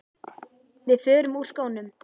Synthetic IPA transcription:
vɪðfʏːɾʏmur̥skoːwnʏm

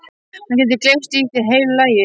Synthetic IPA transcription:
hɛncɛnt̪̬ɪɾklejmst̪isɛɦeːjllajɪ

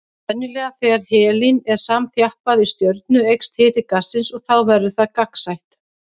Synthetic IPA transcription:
ɛnːʏlɛːɣaθɛɣaɾ̥hɛːlinɛɾ̥saːmθjahpaðist̪jœɾt̪nʏejkst̪hɪːt̪ɪkasːɪnsɔɣθawvɛɾðʏθaðkaksajht̪

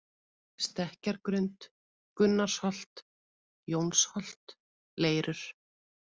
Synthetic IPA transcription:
st̪ɛhcaɾkɾʏnt̪ | kʏnːaɾshɔl̥t̪ | jownshɔl̥t̪ | leːjɾʏɾ̥

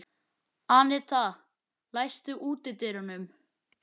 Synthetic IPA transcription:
anɪt̪ʰa | laːjst̪ʏʔuːt̪ɪt̪ɪɾanʏm

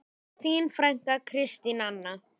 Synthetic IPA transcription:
θiːnfɾaŋ̥kakʰɾɪst̪inanːa

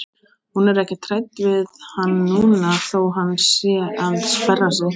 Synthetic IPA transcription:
hunɛɾɛhcɪt̪ʰɾajt̪vɪðhanːuːnaðθowɦanːsjɛʔaðspɛrːas̬a

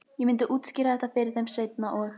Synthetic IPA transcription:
jɛmɪnt̪̬ɪʔuːt̪sciːɾaðɛht̪afɛːɾɪθɛmseːjt̪̚naʔɔɣ

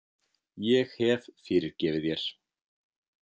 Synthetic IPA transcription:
jɛxhɛvfɪːɾɪɾcɛːvɪðjɛɾ̥

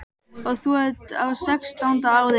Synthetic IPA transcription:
ɔɣθuhɛðt̪awsɛkst̪awnt̪aːwð

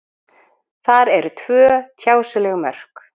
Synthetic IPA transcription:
θaɾɛɾʏt̪ʰvœːt̪ʰjaːwsʏlɛɣmœ̰r̥k

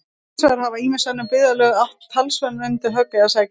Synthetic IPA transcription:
sɛðaɾ̥havaiːmɪnsanːʏpɪðalœːɣaht̪l̥t̪ʰalsvɛnːʏnt̪ɪɦœkːɪaðsaj

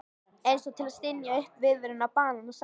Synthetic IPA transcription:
ẽjnsɔt̪ʰɪlaðst̪ɪnjaʏhpvɪðvʏɾʏnːapaːnanas

